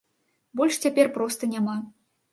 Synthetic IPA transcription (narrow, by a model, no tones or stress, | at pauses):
bɔlʲʂt͡sʲapʲɛrpɾɔst̪ɐnʲama